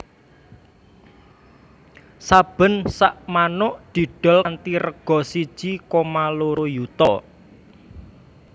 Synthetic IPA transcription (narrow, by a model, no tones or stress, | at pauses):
sab̥ə̤nsaʔmanʊʔd̪̥i̤ɖ̥ɔ̤lnt̪iɾəɡ̥ɔ̤sid̥ʒ̥ikomaloɾojut̪ɔ